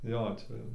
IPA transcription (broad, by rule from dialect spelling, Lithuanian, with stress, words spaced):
ˈjoː ˈt͡ʃʲɛ jɛʊ